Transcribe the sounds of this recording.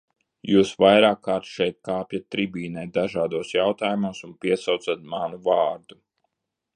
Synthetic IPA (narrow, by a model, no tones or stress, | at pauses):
juːsvajɾaːkːaːɾt̪ʃɛjt̪̚kaːpjat̪̚ʲːɾibʲiːnɛjt̪̚d̪aʒaːd̪uɔːsjawt̪aːjumuɔsunpiɛsawt̪sat̪̚manuvɑːɾd̪̥u